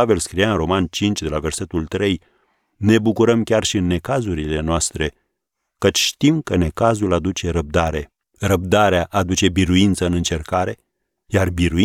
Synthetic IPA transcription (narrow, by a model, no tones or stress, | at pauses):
ave̞lskɾijaɨnro̞mant͡ʃint͡ʃʲd̪e̞lave̞rse̞t̪ult̪ɾe̞j | ne̞bukuɾəmkʲarʃiɨnːe̞kazuɾile̞noast̪ɾe̞ | kət͡ʃʲʃt̪imkəne̞kazulad̪ut͡ʃe̞ɾəb̚d̪aɾe̞ | ɾəb̚d̪aɾeaʔad̪ut͡ʃe̞biɾuint̪səɨnɨnt͡ʃe̞rkaɾe̞ | jarbiɾu